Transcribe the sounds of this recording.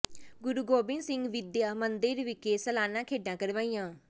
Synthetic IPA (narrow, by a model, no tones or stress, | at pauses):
ɡʊɾuːɡoːbɪnsɪŋɡʋɪd̪jaːmənd̪ɪɾʋɪkeːsəlaːnãːkʰeːɖãːkəɾʋaːiːjãː